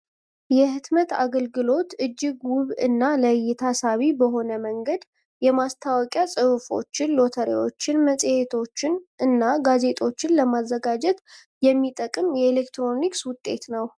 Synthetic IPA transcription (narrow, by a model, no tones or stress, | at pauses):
jɛhɨt̪mət̪a̰ɡəlɡɨlo̞t̪ɨd͡ʒːɪɡwʊβɨ̰nːaləjːɪt̪ʰasaβibəɦo̞nəməŋɡəd̪ | jɛmast̪ʰawɔkʼjasʼɨβfo̞̰t͡ʃːɪnlo̞t̪ʰəɾḛwo̞t͡ʃːɪnməsʼhe̞t̪ʰo̞t͡ʃːɪnʔɨnːaɡaze̞t̪ʰʼo̞t͡ʃːɪnləmazːəɡad͡ʒɛt̪ | jɛmːit̪ʼəkʼɨmjɛelekt̪ɾo̞nikswʊt̪ʼːe̞̰t̪nəw